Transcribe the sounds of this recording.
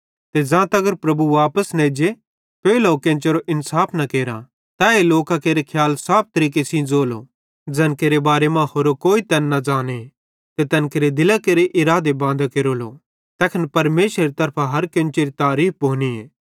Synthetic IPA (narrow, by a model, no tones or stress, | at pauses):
t̪ed͡ʒãːt̪ɐɡəɾpɾɐbuʋaːpəsnɛd͡ʒe | peːlaokẽːnt͡ʃeɾoʔɪnsaːpʰnɐkeːɾã̰ | t̪aeloːkakeːɾekʰjaːlsaːp̚t̪ɐɾiːkesĩd͡zoːlo̰ | d͡zɛnkeːɾebaːɾemãhoːɾokoːit̪ɛnːɐd͡ʒaːne | t̪et̪ɛːnkeɾed̪ɪlakeːɾeʔɪɾaːd̪ebãːnd̪akeːɾolo | t̪ɛːkʰənpɐɾmeːʃɾeɾit̪ɐɾpʰaɦɐɾkẽːnt͡ʃeɾit̪aːɾiːp̚ʰbʱoːnieː